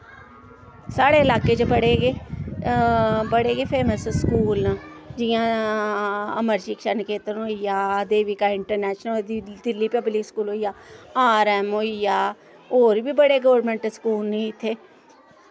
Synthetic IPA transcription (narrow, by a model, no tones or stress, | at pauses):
saːɽeːɪlaːkeːt͡ʃbəɽeːɡeː | bəɽeːɡeːpʰeːməsskuːlː | d͡ʒɪjãː | əməɾʃikʃənkeːt̪ənɦoijaːd̪eːʋikaːɪɳʈəɾnɛːʃnəd̪ɪlːiːpɛbliːskuːlɦoːijaːaːɾɛːmɦoːijaː | oːɾbiːbəɽeːɡəʋəɾmẽɳʈskuːlnĩɪt̪ʰːeː